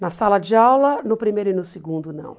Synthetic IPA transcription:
nɐsalɐd͡ʒɪawlɐnʊpɾimejɾʊɪnʊsɪɡũnd̪ʊnɐ̰̃w̃

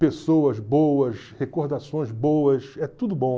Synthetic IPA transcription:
pesowɐzbowɐshekohd̪asõj̃zbowɐsɛt̪ud̪ʊbõ

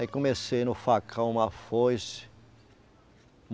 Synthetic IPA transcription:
ikõmesejnʊfakʰɐ̃ũmɐfojs | m

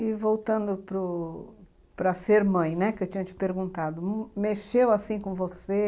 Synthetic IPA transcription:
ɪvowt̪ɐ̃nd̪ʊpɾʊ | pɾɐseɾmɐ̃j̃nɛkɪewt͡ʃĩɲ̃ɐt͡ʃɪ̥peɾɡũnt̪ad̪ʊmeʃewasĩkõvose

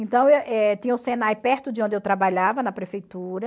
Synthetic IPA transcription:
ẽnt̪ɐ̃w̃eʔɛt̪ĩɲɐʊsẽnajpɛɾt̪ʊd͡ʒɪõnd͡ʒɪewt̪ɾabaʎavɐnɐpɾefejt̪uɾɐ

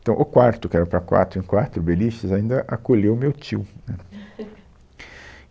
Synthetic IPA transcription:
t̪ɐ̃w̃ʔʊkwaɾt̪ʊkɪɛɾɐpɾɐakwa̰t̪ɾʊẽŋkwat̪ɾʊbeliʃt̪ɐzaĩnd̪ɐʔakolewmewt͡ʃ̪iwnɛ

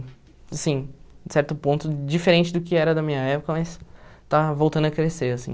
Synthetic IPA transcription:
asĩsɛɾt̪ʊpõt̪ʊd͡ʒifeɾẽnt͡ʃɪd̪ʊkɪɛɾɐd̪ɐmĩɲɐɛpʊkɐmɐjst̪avowt̪ɐ̃nd̪ʊɐkɾeseɾasḭ̃

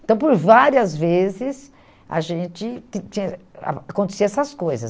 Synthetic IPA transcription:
ẽt̪ɐ̃w̃poɾvaɾiɐzvezɪs | a̰ʒẽt͡ʃɪt̪ĩt͡ʃĩɲɐa̰akõnt̪e̥siɐɛsɐskojzɐ̰

